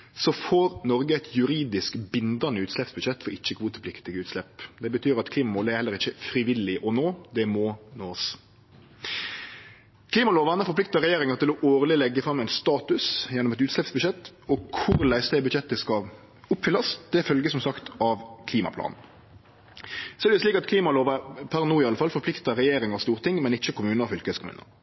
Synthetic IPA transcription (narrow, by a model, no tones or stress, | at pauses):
sɔfoːɾnɔɾɡəɛɪt̪ʰjʉɾiːd̪ɪskbɪnd̪ɑnəʉːt̪slɛpsbʉʃɛt̪ːfɔɾɪt͡ʃːəkʰuːt̪əpʰlɪkt̪ɪɡəʉːt̪slɛpːd̪ɛbət̪ʰyːɾɑt̪kʰliːmɑmuːlæɾhɛlːəɾɪçːəfɾɪʋɪlɪʔɔnoːd̪ɛmɔnoːs | kʰliːmɑloːʋɑnəfɔɾplɪkt̪ɑɾɛjeːɾɪŋɑt̪ʰɪlɔʔoːʁlɪlɛɡːəfɾɑmːɛɪnst̪ɑːt̪ʉsjɛnːʊmɛt̪ʉːt̪slɛpsbʉʃɛt̪ː | ɔkʰʊʁlæɪsd̪ɛbʉd̪ʃɛt̪ːəskɑ | ʊpːfʏlɑsd̪̥ɛfœlɡəsɔmsɑkt̪ʰɑʋkʰliːmɑ̰pʰlɑ̰ːnn̩ | sɔɛd̪ɛsliːkɑt̪kʰliːmɑloːʋɑpʰæʁnuːɪɑləfɑlfɔɾpʰlɪkt̪ɑɾɛjeːɾɪŋɑst̪uːʁt̪ʰɪŋːmɛnɪçːəkʰʊmʉːnəɑfʏlkəəskʰʊmʉ̰ːnə̰